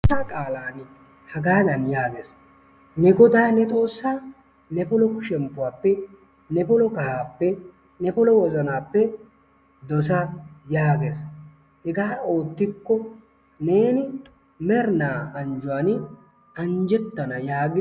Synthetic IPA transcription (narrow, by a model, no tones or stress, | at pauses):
aːkʼaːlaːn | hɐɡaːd̪ɐnjaːɡeːs | nɛɡɔd̪aːnɛt̪ʼo̞ːsːaː | nɛpɔlɔkʊʃɛmpːʊwaːpːɛ | nɛpɔlɔkɐhaːpːɛ | nɛpɔlɔwɔzɐnaːpːɛ | d̪ɔs̬ɐjaːɡes | hɛɡaːo̞ːt̪ːɪkːɔ | ne̞ːnɪ | mɛɾnaːʔɐnd͡ʒʊwaːn | ɐɲd͡ʒɛt̪ːɐnɐjaːɡɪ